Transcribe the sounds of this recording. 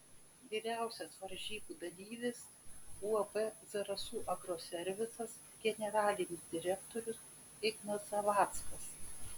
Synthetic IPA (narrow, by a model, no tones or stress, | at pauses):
ʋʲiːɾʲæˑʊsʲɛsʋɐɾʲʒʲiːbuːd̪ɐlʲiːʋʲes | uːɐbɛzɐɾɐsuːʔɐɡɾoːsʲɛɾʲʋʲɪsɐs | ɡʲɛnʲɛɾɑːlʲɪnʲɪsd̪ʲɪɾʲɛkt̪ɔɾʲʊs | ɪɡnɐsɐʋɑːt̪skɐs